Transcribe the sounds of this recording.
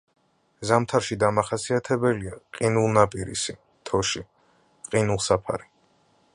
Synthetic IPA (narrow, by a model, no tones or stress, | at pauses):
zamt̪ʰaɾʃid̪amaχasiat̪ʰɛbɛliaqʼinulˠnapʼiɾḭsi | t̪ʰɔʃi | qʼinulˠsapʰa̰ɾi